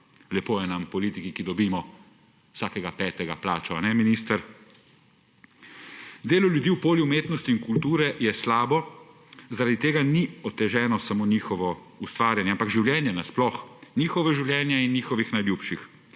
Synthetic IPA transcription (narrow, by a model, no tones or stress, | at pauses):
lɛpoːjɛnampɔliːt̪ikikid̪ɔbiːmɔ | saːkɛɡapɛːt̪ɛɡa̰pla̰ːt͡ʃɔanɛminiːst̪əɾ | d̪eːlɔlʲjud̪iːwpoːljiumeːt̪nɔst̪iːnkult̪uːɾɛjɛslaːbɔ | zaɾad̪it̪eːɡaniɔt̪ɛʒɛːnɔsamoːnixɔʋɔ | ust̪ʋaːɾjanjɛampaɡʒiwljɛːnjɛnasplɔxniːxɔʋɛʒiwljɛːnjɛinːiːxɔʋixnajlʲjupʃix